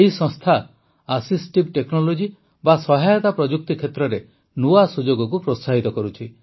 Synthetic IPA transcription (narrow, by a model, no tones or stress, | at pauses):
eɦisɔ̃st̪ʰa | asisʈibʈeknɔlod͡ʒi | basɔɦajɔt̪apɾɔd͡ʒuk̚t̪ikʰet̪ɾɔɾe | nuasud͡ʒoɡɔk̬upɾot̪saɦit̪ɔkɔɾut͡ʃʰi